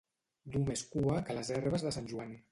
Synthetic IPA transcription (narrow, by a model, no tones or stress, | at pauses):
d̪umeskuβəkələzɛrβəzðəsanʲʒuan